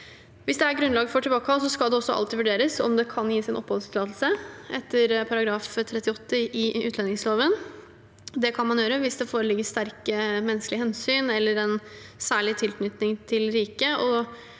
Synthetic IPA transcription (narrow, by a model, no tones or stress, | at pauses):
ʋɪsd̪ɛæɾɡɾʉnlɑɡfɔʈʰɪbɑːkəhɑlsɔskɑld̪ɛɔsːɔ̰ɑ̰lt̪ɪʋʉɖeːɾəsɔ̰md̪ɛkʰɑnjiːsɪnʔɔpːhɔlst̪ʰɪlɑːt̪l̩səʔɛt̪ːəɾpʰɑɾɑɡɾɑːft̪ʰɾɛt̪ːɪɔt̪ːəʔɪʉːt̪lɛnɪŋsloːʋən | d̪ɛkʰɑnmɑnjøːɾəʋɪsd̪ɛfoːɾəlɪɡəst̪æɾkəmɛnːsklɪhɛnsyːnɛlːəɾɛnsæːɭɪt̪ʰɪlknʏt̪nɪŋt̪ʰɪlɾiːkəɔ